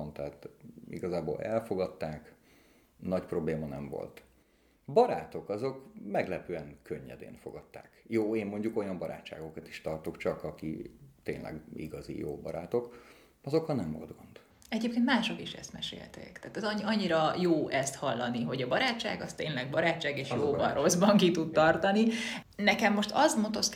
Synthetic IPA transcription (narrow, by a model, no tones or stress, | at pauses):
nt̪ɛːt̪ḭɡɒzaːbo̰ːlɛlfo̞ɡɒt̪ːaːk | nɒcpro̞bleːmɒnɛ̰ɱvo̰lt̪ | bɒɾaːt̪o̞kɒzo̞kmɛɡlɛpøːɛŋkøɲːɛ̰d̪ḛːnfo̞̰ɡɒt̪ːa̰ːkjoːeːmːo̞ɲɟuko̞jɒmbɒɾa̰ːt͡ʃːa̰ːɡo̞kɒt̪i̥ʃt̪ɒrt̪o̞kt͡ʃɒkɒkit̪ḛːnlʔɛ̰ɡḭɡɒzḭjo̰ːbɒ̰ɾaːt̪o̞k | ɒzo̞khɒnɛɱvo̞̰ld̪̚ɡo̞nd̪̥ | ɛɟeːp̚kent̪maːʃo̞kiʃɛ̰st̪mɛ̰ʃḛːlt̪ḛːkt̪aːt̪ɛzɒɒɲːiɾɒjoːʔɛst̪hɒlːɒniɦo̞ɟɒbɒɾaːt͡ʃːa̰ːɡɒst̪eːnlɛɡ̚bɒɾaːt͡ʃːaːɡeːʃjoːbɒnrʔo̞zbɒŋkit̪ut̪̚t̪ɒrt̪ɒni | nɛkɛmːo̞ʃt̪ɒzmot̪o̞s